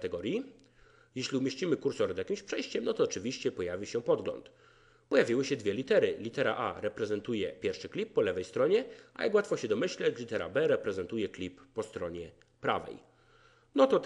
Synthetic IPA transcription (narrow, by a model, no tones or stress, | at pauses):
t̪ɛɡɔɾji | jɛɕlʲiumʲjeɕt͡ɕimɘkuɾsɔɾɛzjakʲimɕpʂɛjɕt͡ɕɛmnɔt̪ɔːt͡ʂɘvʲiɕt͡ɕɛpɔjavʲiɕɛpɔd̪ɡlɔ̰nt̪ | pɔjavʲiwɘɕɛd̪vʲjɛlʲit̪ɛɾɘlʲit̪ɛɾa̰ʔa̰ɾɛpɾɛzɛnt̪ujɛpʲjɛɾfʂɘklʲipːɔlɛvɛjst̪ɾɔɲɛa̰ja̰kwat̪fɔɕɛd̪ɔmɘɕlɛt͡ɕlʲit̪ɛɾa̰bɛɾɛpɾɛzɛnt̪ujɛklʲipːɔst̪ɾɔɲɛ | pɾa̰vɛ̰j | nɔt̪ɔ